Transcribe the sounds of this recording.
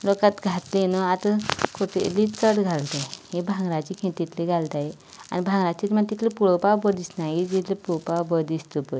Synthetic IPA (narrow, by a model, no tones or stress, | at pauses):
lokat̪ɡʱat̪lenəat̪əkʰoʈʰḛlit͡səɽɡʱalt̪ajhebʱãŋɡɾat͡ɕikʰẽt̪ːit̪ʰliɡʱalt̪ae | a̰nibʱãŋɡɾat͡ɕit̪maɡt̪it̪ʰlepuɽopawbəd̪isnaɦid͡ʑit̪ʰlepowpawbəd̪ist̪upə